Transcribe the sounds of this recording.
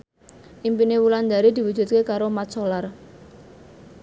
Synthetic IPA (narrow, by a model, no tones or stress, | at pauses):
ʔimpinewuland̪aɾid̪i̤wud̥ʒ̥ṳt̪̚kekaɾomat͡ʃolar